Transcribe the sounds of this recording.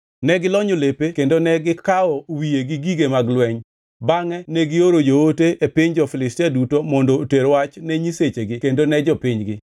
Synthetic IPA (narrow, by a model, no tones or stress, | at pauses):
nɛɡɪlɔɲolepekendonɛɡɪkaɔwijeɡɪɡiɡemaɡlwɛɲ | baŋɛnɛɡɪoɾojooteʔepɪɲd͡ʒɔfɪlɪstiadutomɔndoteɾwat͡ʃnɛɲiset͡ʃeɡɪkendonɛd͡ʒɔpɪɲɡɪ